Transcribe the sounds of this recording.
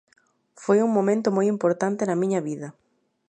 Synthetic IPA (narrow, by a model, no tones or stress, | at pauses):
fojuŋmõmẽnt̪ʊmojimpoɾt̪ant̪enɐmĩɲɐβiðɐ